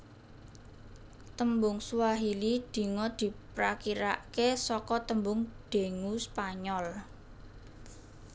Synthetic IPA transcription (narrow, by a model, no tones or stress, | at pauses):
t̪əmbʊŋswaɦilid̪̥i̤ŋɔd̪̥i̤pɾakiɾaʔkesɔkɔt̪əmbʊŋɖ̥e̤ŋuspaɲɔl